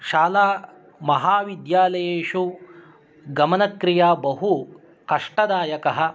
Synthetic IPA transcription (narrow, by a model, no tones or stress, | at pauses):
ʃaːlaː | mɐɦaːʋid̪jaːlɐjeːʃu | ɡɐmɐnɐkɾijaːbɐɦu | kɐʂʈɐd̪aːjɐkɐɦɐ̆